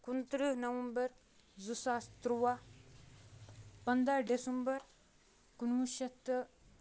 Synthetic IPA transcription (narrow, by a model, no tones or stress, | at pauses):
kunt̪ɾənɐʋɐmbəɾ | zusast̪ɾuwa | pɐnd̪aɖesumbəɾ | kunwuʃɐt̪ːə